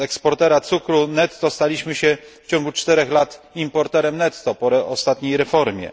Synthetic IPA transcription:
ɛkspɔɾt̪ɛɾat̪sukɾunɛt̪ːɔst̪alʲiɕmɘɕɛft͡ɕɔ̃ŋɡut͡ʂt̪ɛɾɛxlat̪ | impɔɾt̪ɛɾɛmnɛt̪ːɔpɔɾɛɔst̪at̪ɲejɾɛfɔɾmʲjɛ̰

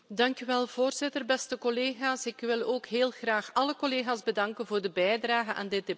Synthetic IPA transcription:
dɑŋkyʋɛlˠv̥oːrzɪtərbɛstəkɔleːɣaːsɪkʋɪlˠoːkɦeːlˠɣraːxɑləkoleːɣaːzbədɑŋkənvoːrdəbɛjdraːɣəna̰ːndɪd̚de

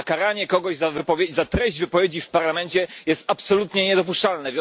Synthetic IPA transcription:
kaɾaɲɛkɔɡɔʑzavɘpɔvʲjet͡ɕzat̪ɾɛʑd͡ʑvɘpɔvʲjed͡ʑifpaɾlamɛɲt͡ɕɛjɛst̪apsɔlut̪ɲɛɲɛd̪ɔp̬uʂt͡ʂalnɛvʲj

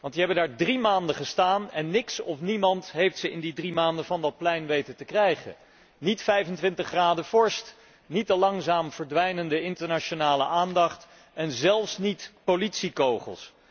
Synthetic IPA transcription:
ʋɑntiɦɛbəndaːɹdrimaːndəχəstaːnɛnːɪksɔfnimɑntɦejftsəʔɪndidrimaːndəvɑndɑt̚plɛjnʋejtətəkrɛjχə̰n | nitfɛjvəntʋɪntəχraːdəv̥ɔɹst | nitəlɑŋzaːmv̥əɹdʋɛjnəndəɪntəɹnat͡ʃonaːləʔaːndɑχt | ɛnzɛlˠfsnitpolitsikowχə̰lˠs

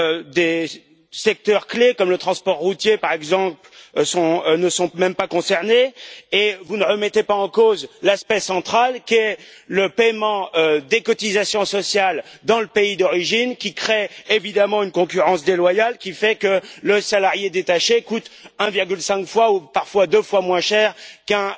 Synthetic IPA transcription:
ød̪e | sɛk̚t̪œʁklekɔmlət̪χɑ̃spɔʁːut̪jepaʁɛɡzɑ̃psɔ̃nəsɔ̃mɛmpakɔ̃sɛʁneː | vunəʁəmɛt̪epaɑ̃kozlaspɛsɑ̃t̪χalkʲiɛləpɛjmɑ̃ød̪ekɔt̪izasjɔ̃sɔsjald̪ɑ̃ləpeid̪ɔʁiʒinkʲikχeevid̪amɑ̃ynkɔ̃k̬ʲyʁɑ̃sd̪elwajalkʲifɛkələsalaʁjed̪et̪aʃekut̪ɛ̃viʁɡʲylsɛ̃kfwaupaʁfwad̪øfwamwɛ̃ʃɛːʁkɛ̃

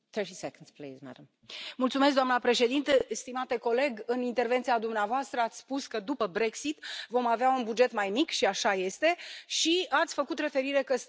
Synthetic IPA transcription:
θə˞tisɛkə̃ndsplḭzmæ̰dəm | mult̪sumes̬kd̪oamnəpɾe̞ʃe̞d̪int̪est̪imat̪e̞ko̞le̞ɡɨnint̪e̞rvent̪siad̪umneavoast̪ɾəat̪sʲspuskəd̪upəbɾe̞ksit̪vo̞maveaunbud͡ʒe̞t̪majmikʃiaʃaje̞st̪e̞ʃiat̪sʲfəkut̪re̞fe̞ɾiɾe̞kəs

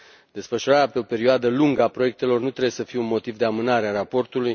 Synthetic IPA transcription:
d̪̥e̞sfəʃuɾaɾeapeo̞pe̞ɾioad̪əluŋɡəapɾoje̞k̚t̪e̞lo̞rnut̪ɾe̞bje̞səfijeunmo̞t̪ivd̪e̞amɨnaɾearapo̞rt̪uluj

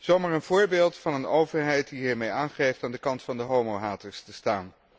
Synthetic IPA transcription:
z̥owmaːɹənv̥ʊːɹbeːlˠtfɑnənowvəɹɦɛjt̚diɦiːɹmejaːnχejftaːndəkɑntfɑndəɦowmowɦaːtəɹstəstaːn

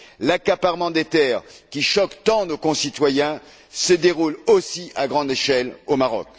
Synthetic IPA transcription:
lakapaʁmɑ̃d̪et̪ɛːʁkʲiʃɔkt̪ɑ̃d̪əkɔ̃sit̪wajɛ̃ | səd̪eʁulosiʔaɡʁɑ̃d̪eʃɛlomaʁɔ̰k

